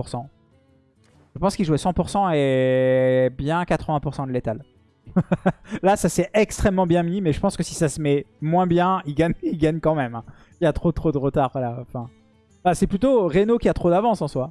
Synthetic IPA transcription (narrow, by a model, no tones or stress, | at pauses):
puʁsɑ̃ | ʒ̥əpɑ̃skilʒuɛsɑ̃puʁsɑ̃e | bjɛ̃kat̪χəvɛ̃puʁsɑ̃d̪əlet̪al | lasasɛɛkst̪χɛmːɑ̃bjɛ̃miimɛʒəpɑ̃skəsi̥sasəmɛmwɛ̃bjɛ̃ilɡaɲilɡaɲkɑ̃mɛmɛ̃ | ilat̪χot̪χod̪əʁət̪aʁvalaɑ̃fɛ̃ | basɛplyt̪oʁenokʲiat̪χod̪avɑ̃sɑ̃swa